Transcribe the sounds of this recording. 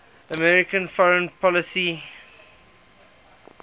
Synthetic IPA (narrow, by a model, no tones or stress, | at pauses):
əmɛɹɪkə̃nfɔɹə̃npʰɔləsi